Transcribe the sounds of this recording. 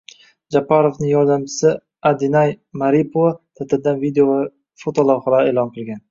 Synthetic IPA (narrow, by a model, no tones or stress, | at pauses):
d͡ʒapʰːaɾovnɪŋjɒɾd̪amt͡ʃʰɪ̥sɪ | ad̪ɪnajmaɾipʰoat̪ʰat̪ʰɪld̪anvid̪eova | fot̪ʰolawχalaeːlˠɒnqʰɨlˠɡʲan